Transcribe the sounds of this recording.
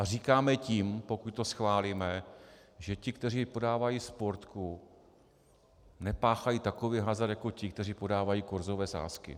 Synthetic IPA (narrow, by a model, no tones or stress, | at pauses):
ʔar̝iːkaːmɛciːmpo̞kuct̪o̞sxvaːlimɛʒɛcɪkt̪ɛriːpo̞daːvajispo̞ɾt̪ku | nɛpaːxajiːt̪akoviːɦazat̪jako̞cɪkt̪ɛriːpo̞daːvajiːkuɾzo̞vɛːsa̰ːskɪ̰